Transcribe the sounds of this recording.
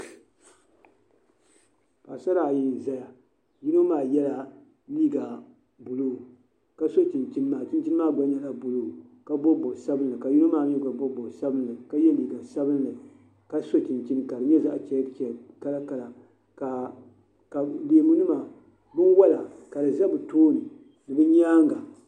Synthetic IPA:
pa˨sa˦ɾa˨ji˦n˨za˦ja˨ | ji˦no˦maː˨jɛ˦la˦ | niː˦ɡa˨ | bu˨luː˦ | ka˦so˦t͡ʃi˨nt͡ʃi˦n˦maː˨t͡ʃi˦nt͡ʃi˦n˦maː˦ɡ͡ba˦ɲa˦la˦bu˨lu˦ka˦bo˦bo˨sa˦bɨ˦n˦lɨ˨ka˨ji˦no˦maː˦ni˦˨ɡa˨bo˦bo˨sa˦bɨ˦n˦lɨ˨ka˦jɛ˦liː˨ɡa˨sa˦bɨ˦n˦lɨ˨ | ka˦so˦t͡ʃi˨nt͡ʃi˦n˨ka˨dɨ˨ɲɛ˦za̰˦ʔt͡ʃɛ˨˦t͡ʃɛ˨ka˦la˦ka˨la˨ | ka˨ | ka˨leː˨mu˦nɨ˦ma˨ | bɨ˦nwa˦la˨ka˨dɨ˨za˦bɨ˨toː˦nɨ˨ | dɨ˨bɨ˦ɲaː˦ŋɡa˨

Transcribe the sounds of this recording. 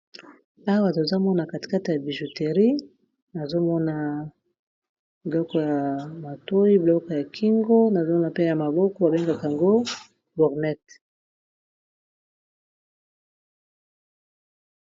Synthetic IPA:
a˦wa˨to˨za˦mɔ˦na˨ka˨ti̥˨ka˦te˨ja˨bi˨ʒu˨te˨ʁi˦ | na˨zo˦mɔ˦na˨ | bi˨lɔ˦kɔ˨ja˨ma˨to˦i˦blɔ˦kɔ˨ja˨kʰi˦ŋɡo˦na˨zo˦mɔ˦na˨pe˦ja˨ma˨bɔ˦kɔ˦ba˨be˦ŋɡa˨ka˨ŋɡo˦ | bɔ˨ʁnɛ˦t

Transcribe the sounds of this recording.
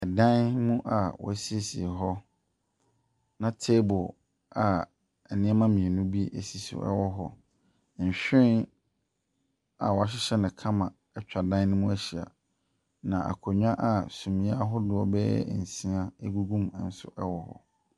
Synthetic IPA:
ɛ˨dã˦nmũ˦ʔa˨wɔ̰˨æ˦si˦e˦˨si˨ɦɔ˦ | nã˨tʰe˦bʊ˨ | a˨ | ɛ˨nɪ̃˦mã˦mĩ˨e˨nũ˦bi˦ʔḛ˨si˨sḭ˨ɛ̰˦wɔ˦ɦɔ̰˦˨ | ɲ̩˨ɕᶣɪ̃˦ | a˨wɔ˨a˨ɕ̬ɪ˦ɕɛ˦nɪ̃˨kʰã˦mã˨ | ɛ˦t͡ɕᶣa˨dã˦n˦nɪ̃˦mũ˦æ˦ɕi˨a̰˨ | nã˨ʔa̰˨kʰɔ˨ɲᶣã˦ʔa˨sũ˨mĩ˨a˦ɦɔ˦dʊ˦ɔ˨bɛ˦ɛ̰˦˨n̩˨sĩ˦a˦e˦ɡu˦ɡũ˦m˨n̩˦sʊ̰˦ʔɛ˦wɔ˦hɔ̰˦

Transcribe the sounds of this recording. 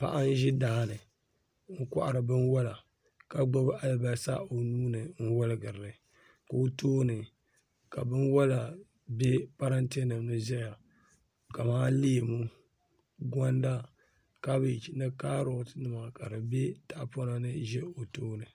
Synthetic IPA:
pa̰˨ʔa˦n˦ʒɪ˦daː˦˨nɨ˨ | ŋ̩˦kʷa̰˦ʔa˨ɾɨ˨bɨ˦nwɔ˦la˨ | ka˨ɡ͡bo˦bʔa˦lba˦sa̰˦o˨nuː˦nɨ˨n̩˦wɔ˦lɨ˦ɡɨ˨ɾɨ˨nɨ˨ | ka˨o˦toː˦nɨ˨ | ka˨bɨ˦nwa˦la˨ | be˦pa˦ɾa˦ntːnɨ˨mnɨ˦zɛ˦ja˨ | ka˨maː˦li˦e˨mu˦ | ɡa˦n˦da˦ | ka˦bɨ˨t͡ʃi˨nɨ˦kaː˦ɾo˨tnɨ˨ma˨ka˨dɨ˨be˦ta˨ʔpo˦na˦nɨ˦ʒɛ˦o˨toː˦nɨ˨

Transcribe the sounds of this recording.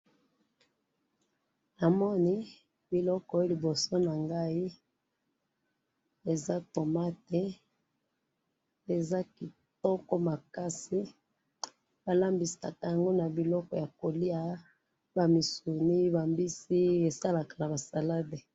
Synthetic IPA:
na˨mɔ˦ni˦ | bi˨lɔ˦kɔ˨˦li˨bo˨so˦na˨ŋɡa˦i˦ | e˨za˦to˨ma˦te˦ | e˨za˦ki˨ | tɔ˦kɔ˦ma˨ka˦si˦ | b̥a˨la˦mbi˨sa̰˨ka˨ja˨ŋɡo˦na˨bi˨lɔ˦kɔ˨ja˨ko˨li˦a˦ | ba˨mi˨su˨ni˦ba˨mbi˦si˦e˨sa˦la˨kḁ˨na˨ba˨sa˨la˦be˨

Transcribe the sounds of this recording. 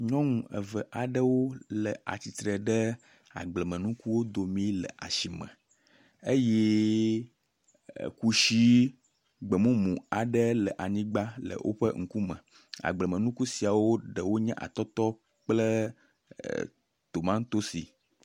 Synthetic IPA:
ɲɔ̃˦ŋũ˨ə̰˨və˨ʔa˨ɖə˦wo˦lə˨a̰˨t͡ɕi˨t̪ɾə˨ɖə˦ | a̰˨ɡ͡blɛ˨mə̃˨nũ˦ku˦wo˦d̪o˨mĩ˦lə̰˨ʔa̰˨ʃi˨mɛ̰̃˨ | e˦jɛ˦˨ | ku˦ʃi˦ | ɡ͡bə˨mũ˦mũ˨a˨ɖə˦lə˨ʔa˨ɲĩ˦ɡ͡ba˦lə̰˨wʔo̰˦ɸə̰˦ŋ̩˦˨ku˦mɛ̰̃˨ | a̰˨ɡ͡blə˨mə̃˨nũ˦ku˦si˨a˨wo˦ɖə˨wo˦ɲɛ̃˦ʔa̰˨t̪ɔ˦t̪ɔ˦ | k͡plə˦ | t̪o˨mã˦ŋ˦t̪o˦sḭ˨

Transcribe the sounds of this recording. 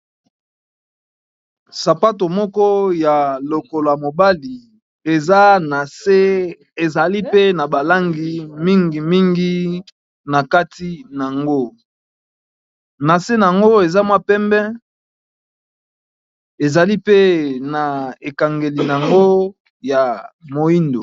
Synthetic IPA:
sa˨pa˦t̬o˨mɔ˦kɔ˦ja˨lo˨ko˨la˨mo˨ba˦li˨ | e˨za˦na˨se˦ | e˨za˨li˦pe˦na˨ba˨la˦ŋɡi˨mi˦ŋɡi˨mi˦ŋɡi˦ | na˨ka˦ti˦n˨a˨ŋɡo˦ | na˨se˦na˨a˨ŋɡo˦e˨za˦mwa˦pɛ˦mbɛ̃˦ | e˨za˨li˦pe˦na˨e˨ka˨ŋɡe˨li˨n˨a˨ŋɡo˦ | ja˨mo˨i˦ndo˨

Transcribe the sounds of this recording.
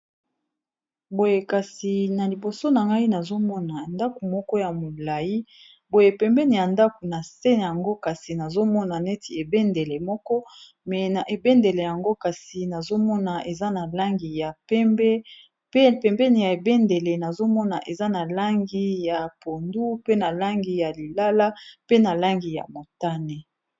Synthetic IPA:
bo˦je˨ka˨si˨na˨li˨bo˨so˦na˨ŋɡa˦i˦na˨zo˦mɔ˦na˨nda˦ku˨mɔ˦kɔ˦ja˨mo˨la˨ji˦ | bo˦je˨pɛ˨mbɛ˦ni˨ja˨nda˦ku˨na˨se˦n˨ja˨ŋɡo˦ka˨si˨na˨zo˦mɔ˦na˨nɛ˦tʰi˨e˨bɛ˦nde˨le˨mɔ˦kɔ˦ | mɛ˨na˨ʔe˨bɛ˦nde˨le˨ja˨ŋɡo˦ka˨si˨na˨zo˦mɔ˦na˨ʔe˨za˦na˨la˦ŋɡi˨ja˨pɛ˦mbɛ˦ | pe˦pɛ˨mbɛ˦ni˨ja˨e˨bɛ˦nde˨le˨na˨zo˦mɔ˦na̰˨ʔe˨za˦na˨la˦ŋɡi˦ja˨po˨ndu˦pe˦na˨la˦ŋɡi˨ja˨li˨la˦la˦pe˦na˨la˦ŋɡi˨ja̰˨mo˨ta˦ne˨

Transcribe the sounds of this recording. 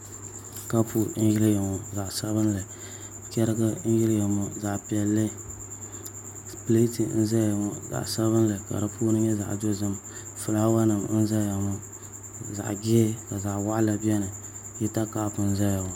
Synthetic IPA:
ka˦pʰu˦n̩˦jɪ˦lja˨mɔ˨za˨ʔsa˦bɨ˦n˦la˨ | kɛ˦ɾɨ˦ɡa˦n̩˦jɪ˦lja˨mɔ˨za˨ʔpi˨ɛ˨lːɨ˦ | ple˦ti˨n̩˦za˦ja˨mɔ˨za̰˨ʔsa˦βɨ˦nlɨ˨ka̰˨ɾɨ˨puː˦nɨ˦ɲɛ˦za̰˨ʔdo˦zɨ˦m | fʊ˨laː˦wa˦nɨ˨mn̩˦za˦ja˨mʊ˦ | za̰˨ʔɡɪ˦ɛ˦ka˨za˨ʔwa˦ʔla˨bi˦ɛ˦nɨ˨ | jɛ˦ta˦ka˦pɨ˨n̩˦za˦ja˨

